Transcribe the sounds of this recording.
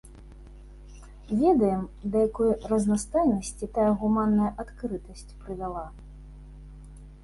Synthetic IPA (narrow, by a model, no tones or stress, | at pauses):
vʲɛd̪ɐjɛmd̪ɐjakɔjrɐznast̪ajnɐsʲt͡sʲit̪ajɐɣumanːɐjɐʔat̪kɾɨt̪ɐsʲt͡sʲpɾɨvʲalˠa